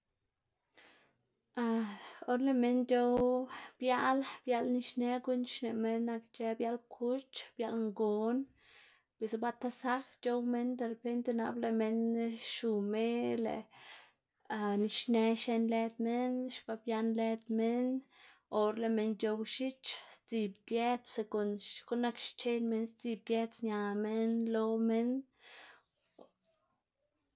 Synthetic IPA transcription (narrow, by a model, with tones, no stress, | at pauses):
a˧o˦ɾle˨me˧nt͡ʃo˦wb̥ja˦lb̥ja˧lni˧ʃne˧ɡu˦nʃne˨me˧nːa˧kt͡ʃe˧bja˧˦lkʰu˦t͡ʃb̥ja˧lŋɡo˨˦n | pwe˨sba˧˦t̪a˧sa˦kt͡ʃo˦wme˦nd̪e˧ɾe˨pe˦nt̪e˧na̰˧ble˧me˧nʃu˨me˦lḛ˨ | a˧ni˧ʃne˧ʃe˧nle˧d̪me˦nʃba˧bja˧nle˧t̪me˦no˨ɾle˧me˧nt͡ʃo˧wʃi˦t͡ʃst͡si˧bɡje˦se˧ko˨nko˦nːa˦kʃt͡ʃe˦nme˧nst͡si˧b̚ɡje˦t͡sɲa˨me˦nlo˧˦me˦n